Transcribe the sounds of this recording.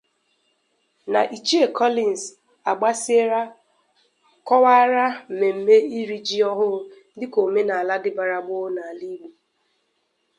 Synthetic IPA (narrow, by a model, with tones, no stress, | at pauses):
na̰˨ʔi˨t͡ʃi˦e˦˨kʰɔ˦li˨n˨s | a˨ɡ͡ba˦se˦ɾa˦ | kɔ˦wa˦ɾa˦m̩˨me˨m̩˨me˦i˦ɾi˦d͡ʒi˦ɔ˦ɦʊ˦ | dɪ˦ko˨me˦na˨a˨la˦dɪ˦ba˨ɾa˨ɡ͡bo˦na˨li˦ɡ͡bu˨